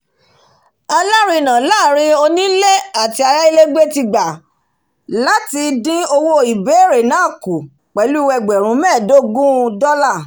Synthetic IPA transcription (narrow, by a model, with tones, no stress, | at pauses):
a˧la˦ɾi˦˧˨nã˨la˦˨ɾ̃ĩ˧o˧nĩ˦le˦a˨ti˧a˧ɾa˦i˦le˦ɡ͡be˦ti˧ɡ͡ba˨ | la˦ti˧dĩ˦o˧wo˧i˨be˨˦˨ɾe˨nãː˦˨ku˨ | k͡pɛ˨˦lu˦˧wɛ˧ɡ͡bɛ˨ɾ̃ũ˨˦mɛ̃ː˦˨do˦ɡũ˦˧dɔ˦la˦˨